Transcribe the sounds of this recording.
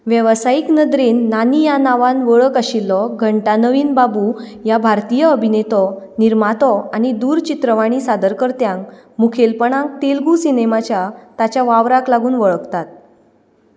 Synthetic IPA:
ʋjəʋsajiknəd̪ɾeːnːanijanaʋanʋəɭəkaɕilːɔɡʱəɳʈanəʋiːnbabujabʱaɾt̪ijəəbʱinet̪ɔniɾmat̪ɔañid̪uːɾt͡ɕit̪ɾəʋaɽ̃isad̪əɾkəɾt̪jãŋk | mukʰelpəɳãŋk̚t̪elɡusinemat͡ɕjat̪at͡ɕjaʋaʋɾaklaɡuːnʋəɭəkt̪at̪̚

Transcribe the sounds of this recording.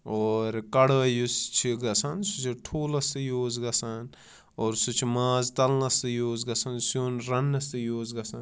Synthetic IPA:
oːɾkɐɽɐjust͡ʃʰiɡɐsansut͡ʃʰiʈʰuːlɐst̪ɨjoːzɡɐsan | oːɾsut͡ʃʰimaːzt̪ɐlnɐsɨjoːzɡɐsɐnsjoːnɾɐnːɐst̪ɨjoːzɡɐsan

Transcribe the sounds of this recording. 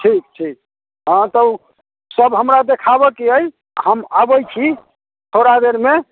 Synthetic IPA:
ʈʰik̚ʈʰik̚ | ɦãt̪ə | səbɦəmɾad̪ekʰaβəkeəj | həmabəjt͡ʃʰi | t̪ʰoɾad̪eɾme

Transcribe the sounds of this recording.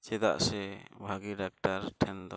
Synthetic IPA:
t͡ʃɛd̪a̰ʔsɛbʱaɡiɖak̚ʈaɾʈʰɛnd̪ɔ

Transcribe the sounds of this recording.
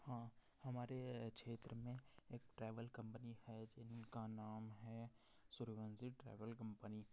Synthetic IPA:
hãː | hɐmaːɾekʃeːt̪ɾəmẽeːk̚ʈɾaːʋəlkɐ̃mpənihɛd͡ʒɪnkanaːmɦɛ | sʊɾʋə̃nsiʈɾḛːʋəlkɐ̃mpəni

